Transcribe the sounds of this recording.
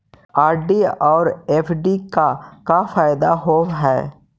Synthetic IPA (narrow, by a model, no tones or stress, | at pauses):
aːɾɖiɔːɾeːpʰɖikakafaːɪd̪aɦoːɦɛː